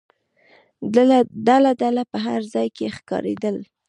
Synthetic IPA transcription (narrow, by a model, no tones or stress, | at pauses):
d̪alad̪alapəɦaɾzɑjkexkɑ̰ɾḛd̪əl